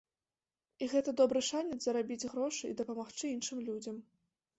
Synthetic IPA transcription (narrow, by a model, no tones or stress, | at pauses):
iɣɛt̪ɐd̪ɔbɾɨʂanʲɛzɐɾabʲid͡zʲɣɾɔʂɨḭd̪ɐpɐmaxt͡ʂɨinʂɨmlʲud͡zʲɐm